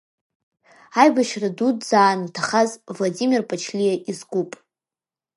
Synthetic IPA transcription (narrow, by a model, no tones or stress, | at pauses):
ajbaʃradudzaːnvtʰaχazvladimʲirpʼat͡ʃʰlijaʔizɡʷupʼ